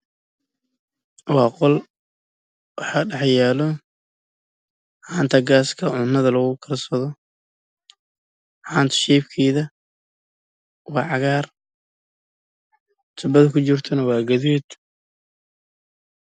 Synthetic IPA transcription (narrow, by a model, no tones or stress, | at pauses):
wɑːqɔl | wɑħaːɖɑħjɛːlɔ | haːnt̪ʰɐɡaːskʰɐʕʊnːɐðɐlɐɣʊkʰɐrsɐðɔ | ħaːnt̪ʰɐ̥ʃɛːfkʰiːðɐ | wɑːʕɑɣaːr | t̪ʰʊbɐðkʰʊt͡ʃɪrt̪ʰɐnɐwɑːɡɐðiːd̪